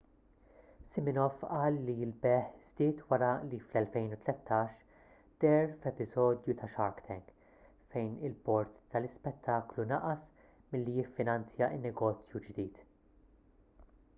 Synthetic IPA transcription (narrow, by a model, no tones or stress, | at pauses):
sɪmɪnɔfʔɐːlːilbɛħz̥d̪ɪːt̪wɐɾɐliflɛlfɛjnut̪lɛt̪ʰːɐːʃ | d̪̥ɛɾfɛpɪzɔːd̪jut̪ʰɐʃɐɾkt̪ʰɛŋɡ | fɛjnɪlpɔɾt̪ːɐlɪspɛt̪ʰːɐːklunɐʔɐs | mɪlːijɪfːɪnɐnt͡sjɐɪnːɛɡɔːt͡sjud͡ʒd̪iːt̪